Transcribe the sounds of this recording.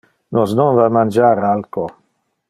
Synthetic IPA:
nosnɔnvamand͡ʒaːɾalko

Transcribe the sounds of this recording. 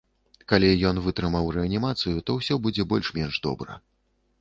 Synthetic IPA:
kalʲijɔnvɨt̪ɾɨmɐwɾɛɐnʲimat̪sɨjut̪ɔwsʲɔbud͡zʲɛbɔlʲʂmʲɛnʐd̪ɔ̰bɾɐ̰

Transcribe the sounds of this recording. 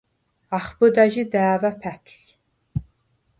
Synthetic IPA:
aχbɨd̪aʒid̪aːvapʰætʷʰs

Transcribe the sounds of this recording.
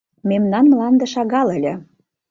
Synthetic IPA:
memnɑnmlɑnd̪ĕʃɑɣɑlə̆lʲĕ

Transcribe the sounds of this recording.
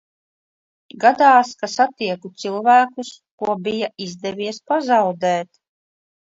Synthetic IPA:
ɡad̪aːskasat̪iɛkut̪silˠvæːkus | kuɔbijaʔizd̪ɛvʲiɛspazawd̪ɛːt̪

